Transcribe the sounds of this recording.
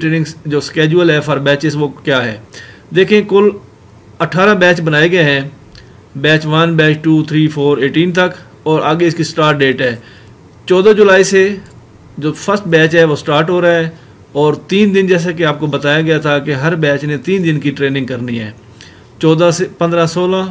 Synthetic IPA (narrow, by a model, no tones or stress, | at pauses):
ʈɾeːnɪ̃ŋɡd͡ʒoːskɛːd͡ʒuəlɦɛːfʰəɾbɛːt͡ʃɪsʋoːkjaːɦɛː | d̪eːkʰẽkʊl | əʈʰaːɾãbɛːt͡ʃbənaːeɡɐeɦɛ̃ː | bɛːt͡ʃʋənbɛːt͡ʃʈuːt̪ʰɾiːpʰoːɾeːʈiːnt̪ək | ɔːɾaːɡeɪskisʈaːɾʈ̚ɖeːʈɦɛː | t͡ʃɔːd̪ãːd͡ʒʊlaːise | d͡ʒoːpʰəɾsʈbɛːt͡ʃɦɛʋoːsʈaːɾʈɦoːɾaːɦɛː | ɔːɾt̪iːnd̪ɪnd͡ʒɛːs̬akeaːp̚kobət̪aːjaɡɐjat̪ʰakeɦəɾbɛːt͡ʃnẽt̪iːnd̪ɪnkiʈɾeːnɪ̃ŋɡ̚kəɾniɦɛ̰ː | t͡ʃɔːd̪ãepə̃nd̪ɾãːsoːlãː